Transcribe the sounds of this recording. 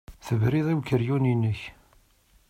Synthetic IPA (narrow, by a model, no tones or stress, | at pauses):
θəvɾiðˤiwkəɾjuninəç